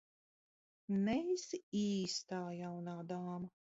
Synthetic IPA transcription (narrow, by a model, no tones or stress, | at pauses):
nɛisiːst̪aːjawnaːd̪aːmɐ